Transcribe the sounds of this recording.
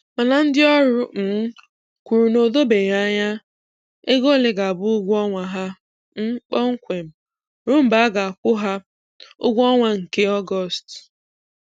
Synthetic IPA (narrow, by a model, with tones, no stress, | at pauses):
ma˨na˨n̩˦dɪ˦ɔ˦ɾʊ˦n̩˨˦ | kʷu˨ɾu˨no˨do˦be˨ja˦ɲa˦ | e˦ɡo˦˨le˨ɡa˨bʊ˦ɡʷɔ˦ŋʷa˨ɦa˦ | m̩˦k͡pɔ˦ŋ̩˦kʷe˨m̩˨ | ɾʊ˦m̩˨ba˨˦a˦ɡa˨a˨kʷʊ˦ɦa˦ | ʊ̰˦ɡʷɔ˦ŋʷa˦ŋ̩˨ke˦ɔ˦ɡɔ˦˨st